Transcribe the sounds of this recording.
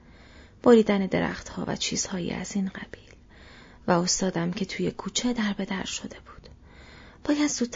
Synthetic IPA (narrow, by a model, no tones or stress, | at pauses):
b̥oɾiːd̪æne̞d̪e̞ɾæ̰χt̪hɒ̰ːvæ̰t͡ʃʰḭːz̥hɒːjḭːæ̰ziːnɢæ̰b̥iːl | væo̞st̪ɒːd̪æmcʰe̞t̪ʰuːjekʰuːt͡ʃʰed̪æɾbe̞d̪æɾʃo̞d̪e̞b̥u̥ːd̪̥ | b̥ɒːjæd̪zuːt̪ʰː